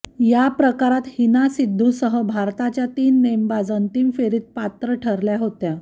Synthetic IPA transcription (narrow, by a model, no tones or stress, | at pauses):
japɾəkaɾat̪hinasid̪ʱːusəɦəbʱaɾt̪at͡ɕjat̪iːnːembad͡zənt̪imfeɾiːt̪̚pat̪ɾəʈʰəɾljaɦot̪ja